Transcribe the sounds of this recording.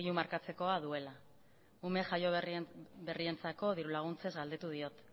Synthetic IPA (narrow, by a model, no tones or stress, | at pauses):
iumaɾkat͡se̞ko̞að̞ue̞la | ume̞ʝajo̞ | be̞rie̞nt͡sako̞ð̞iɾulaɣ̞unt͡se̞zɡald̪e̞t̪uð̞io̞t̪